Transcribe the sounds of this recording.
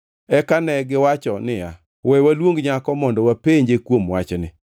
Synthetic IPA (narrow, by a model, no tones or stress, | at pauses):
ɛkanɛɡɪwat͡ʃɔnɪja | wɛwalwoŋɡɲakɔmɔndɔwapeɲd͡ʒekwomwat͡ʃnɪ